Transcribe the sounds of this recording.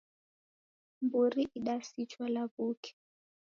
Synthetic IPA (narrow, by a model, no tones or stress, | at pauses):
mbuɾiʔiɗasit͡ʃwalavukʰɛ̥